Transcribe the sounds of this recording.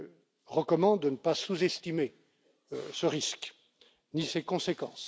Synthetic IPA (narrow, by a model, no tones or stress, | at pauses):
ʁəkɔmɑ̃d̪ənəpasuzɛst̪ime | səʁisk | nisekɔ̃sekɑ̰̃s